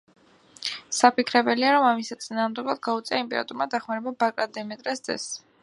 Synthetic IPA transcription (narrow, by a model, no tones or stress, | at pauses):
sapikʰɾɛbɛliaɾɔmamisat̪sʼinaːʁmd̪ɛɡad̪̚ɡaut̪sʼɛaimpʼɛɾa̰t̪ʼuɾmad̪aχmaɾɛbabakʼad̪ɛmɛt̪ʼɾɛsd̪zɛ̰s